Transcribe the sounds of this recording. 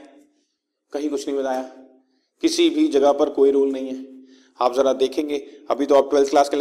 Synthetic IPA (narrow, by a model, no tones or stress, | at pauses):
kɐɦĩkʊt͡ʃʰnɐɦĩbɐt̪aːjaː | kɪsibʱid͡ʒɐɡəɦpɐɾkoːiɾoːlnɐɦĩɦɛː | aːpzɐɾad̪eːkʰẽːŋɡeːɐbʱit̪oaːp̚ʈwɛlt̪̚ʰklaːskel